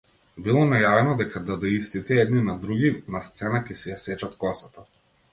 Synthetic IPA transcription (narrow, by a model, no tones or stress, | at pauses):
bilˠɔnajavɛnɔd̪ɛkad̪ad̪aist̪it̪ɛɛd̪ninad̪ɾuɡʲinast̪sɛnakʲɛsɛjasɛt͡ʃat̪kɔsat̪a